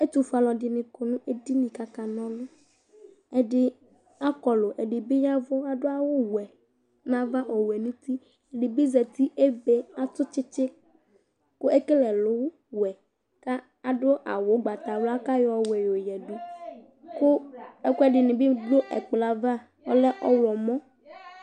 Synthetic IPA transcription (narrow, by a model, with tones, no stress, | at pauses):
e˦t̪u˨fa˨lɔ˨dɪ˨nɪ̃˨ko˨nũ˦e˦di˦nĩ˨ka˨ka˨nɔ̃˦lʊ˦ | e˨ɖɪ˦ | a˦kɔ˨lo˨ʔe˨ɖɪ˨bɪ˦ɲ˦ã˦vɔ˦a˨ɖʊ˦a˦wo˦wɛ˨ | nã˦va˦ʔɔ˨wɛ˨nũ˦t̪i˦ | e˨ɖɪ˨be˦zɛ˨t̪i˦ʔe˦be˦a˦t̪ʊ˦t͡ʃɪ˦t͡ʃɪ˦ | kʊ˦ʔe˦ke˦lɛ˨lʊ˦w | wɛ˨ | ka˦ | a˨ɖʊ˦ʔa̰˨wo˨˦ɡ͡ba˨t̪a˨wla˦ka˦jɔ˨wɛ˨jo˨jɛ˨ɖu˦ | kʊ˦ɛ˦kʊ˦ɛ˦ɖɪ˨nɪ̃˨bɪ˦ɖo˦ʔɛ˨k͡pla˨va˦ | ɔ˦lɛ˦ʔɔ˦wɔ˨mɔ̃˦